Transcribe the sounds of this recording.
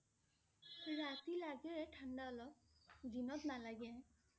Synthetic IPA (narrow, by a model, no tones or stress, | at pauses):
ɹat̪ilaɡɛʈʰandaɔlɔ | d̪inɔt̪nalaɡe